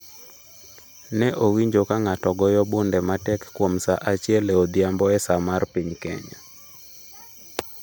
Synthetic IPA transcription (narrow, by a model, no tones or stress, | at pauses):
nɛʔowiɲd͡ʒokaŋatɔɡɔjɔbundɛmatɛkːwomsaʔat͡ʃjɛlɛod̪jambɔɛsamarpiɲkɛ̰ɲa̰